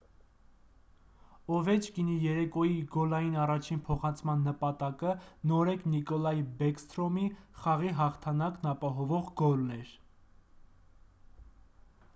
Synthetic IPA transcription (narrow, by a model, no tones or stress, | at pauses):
ɔvɛt͡ʃʰkinijɛɾɛkɔjiɡɔlɑjinɑrɑt͡ʃʰinpʰɔχɑnt͡sʰmɑnːəpɑt̪ɑkənɔɾɛknikɔlɑjibɛkst̪ɾɔmiχɑʁiɦɑχt̪ʰɑnɑknɑpɑɦɔvɔʁɡɔlnɛɾ